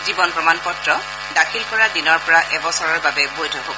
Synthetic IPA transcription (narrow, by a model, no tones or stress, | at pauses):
zibɔnpɹɔmanpɔtɹɔ | dakʰilkɔɹadinɔɹpɔɹaʔɛbɔsɔɹɔɹbabɛbojdʰʱɔɦɔbɔ